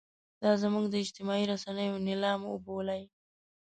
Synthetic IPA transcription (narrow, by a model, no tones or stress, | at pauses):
d̪̥ɑzamuɡd̪əɪd͡ʒt̪ɪmɑiɾasanəjonɪlɑmo̰bolaj